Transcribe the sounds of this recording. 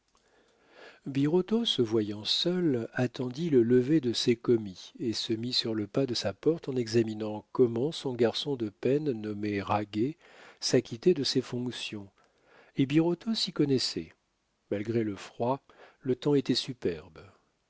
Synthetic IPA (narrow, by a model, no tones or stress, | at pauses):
biʁot̪osəvwajɑ̃sœlat̪ɑ̃d̪ilələved̪əsɛkɔmiesəmisyʁləpad̪əsapɔʁt̪ɑ̃nɛɡzaminɑ̃kɔmɑ̃sɔ̃ɡaʁsɔ̃d̪əpɛnːɔmeʁaɡe | sakʲit̪ed̪əsefɔ̃ksjɔ̃ | ebiʁot̪ʰosikɔnɛsɛ̰ | malɡʁeləfχwa | lət̪ɑ̃et̪ɛsypɛʁb